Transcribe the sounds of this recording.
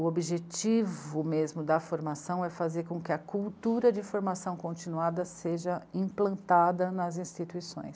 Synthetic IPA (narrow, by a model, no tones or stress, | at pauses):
ʊobiʒet͡ʃivʊmezmʊd̪ɐfoɾmasɐ̃w̃ɛfazeɾkõkɪɐkuwt̪uɾɐd͡ʒɪfoɾmasɐ̃w̃kõt͡ʃinuad̪ɐseʒɐĩplɐ̃nt̪ad̪ɐnɐzĩst͡ʃit̪uisõ̰j̃s